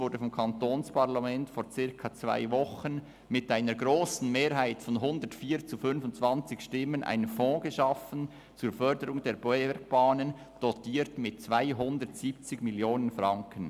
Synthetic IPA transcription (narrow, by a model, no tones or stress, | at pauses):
vʊɾdəfɔmkʰɑntoːnspaʁlamɛntfoːɾt͡sɪɾkʰɑt͡sva̰ɪvɔχən | mɪtʔaɪnəɾɡʁoːsn̩meːɾɦaɪtfɔnɦʊndətfiːt͡sufʏnfʊntt͡sv̥ɑnt͡sɪçʃtɪmənʔa̰ɪnənfɔ̃ːɡəʃɑfən̩ | t͡suːɹfœɾdəɾʊŋdeːɾbɔɛk̚b̥aːnən | d̥ɔtiːɾtmɪtt͡svaɪɦʊndəʁtsiːp̚t͡sɪɡmɪljoːnənfʁɑŋkən